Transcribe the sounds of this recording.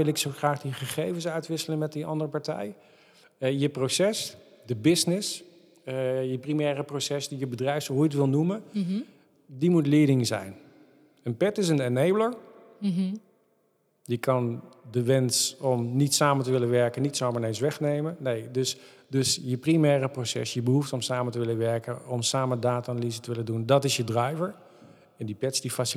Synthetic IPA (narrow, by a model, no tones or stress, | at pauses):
ɪlˠɪksowχraːχdiχəχejvənsœɥtʋɪsələnmɛt̚diɑ̰ndərəpɑɹtɛ̰j | jəprosɛs | dəbɪsnɪs | jəprimɛːrəprosɛsdijəbədrɛjfsɦujtʋɪlˠnumə | dimutlɪːdɪŋzɛ̰jn | ənpɛtɪs̬ənɛnejbləɹ | dikɑndəʋɛnsɔmnitsaːməntəʋɪlənʋɛɹkənitsoːməɹnensʋɛxnejmənejdøs | døsjəprimɛːrəprosɛ̰sjəbəɦuftɔmsaːməntəʋɪlənʋɛɹkənɔmsaːmədaːtanalizətəʋɪləndundɔtɪsjədrɛjvəɹ | ɛndipɛtsdifas